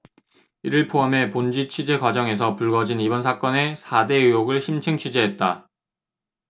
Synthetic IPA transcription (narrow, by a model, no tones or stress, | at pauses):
iɾɯɭpʰoame̞pond͡ʑit͡ɕʰid͡ʑe̞ɡwad͡ʑʌŋe̞s̬ʰʌpuɭɡʌd͡ʑinibʌnsʰak͈ʌne̞sʰade̞ujoɡɯɭɕʰimt͡ɕʰeŋt͡ɕʰɥid͡ʑeɦet̚t͈a